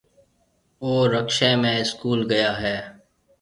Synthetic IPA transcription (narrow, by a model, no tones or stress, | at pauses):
oːɾəkʃẽmẽɪskuːlɡəjaːɦɛː